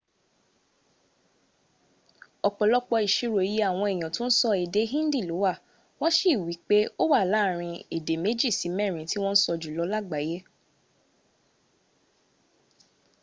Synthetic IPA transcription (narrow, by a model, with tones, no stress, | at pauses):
ɔ˧˨k͡pɔ˨lɔ˦k͡pɔ˧i˨ʃi˦ɾo˨e˨˦ji˦a˦˨w̃ɔ̃˧ɛ˨j̃ã˨tõ˦n̩˦sɔ˧e˨de˨˦ɦĩ˦n̩˦di˦˨lo˨˦wa˦˨ | w̃ɔ̃˦ʃi˦˨wi˨˦k͡pe˦o˦wa˦˨la˨˦˨ɾ̃ĩ˧e˨de˨˦me˨˦d͡ʒi˦˨si˨˦mɛ̃˦˨ɾ̃ĩ˨˦ti˦w̃ɔ̃˦n̩˦sɔ˧d͡ʒu˨lɔ˧˦la˦˨ɡ͡ba˨˦je˦